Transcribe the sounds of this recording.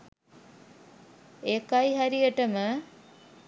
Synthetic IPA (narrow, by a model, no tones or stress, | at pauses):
ekajɦæɾijəʈəmə